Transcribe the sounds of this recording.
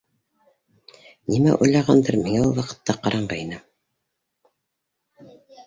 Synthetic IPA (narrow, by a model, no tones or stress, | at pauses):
nimæʔujlˠɑʁɑnd̪ɤɾmiŋæulˠwɑqɤ̥̆t̪ːɑqɑɾʔɑɴɢɑjnɤ